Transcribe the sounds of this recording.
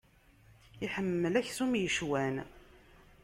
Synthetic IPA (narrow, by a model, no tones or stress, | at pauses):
iħəmːəlæçsumjəʃwæn